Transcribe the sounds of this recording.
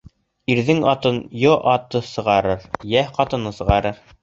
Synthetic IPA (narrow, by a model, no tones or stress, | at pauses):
iɾðɘŋɑt̪ɤnjoʔɑt̪ːɤsɤ̆ʁɑɾɤɾjæhqɑt̪ɤ̆nɤsɤ̆ʁɑɾɤɾ